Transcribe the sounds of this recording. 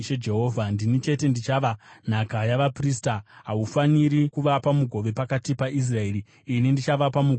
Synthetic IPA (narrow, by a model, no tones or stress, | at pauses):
ed͡ʒe̞ɦo̞ːvʱandinit͡ʃe̞te̞ndit͡ʃaʋan̤akajaʋapristaɦaufaniɾikuʋapamuɡʱo̞ʋe̞pakatipais̬rae̞riː | nindit͡ʃaʋapamuɡʱ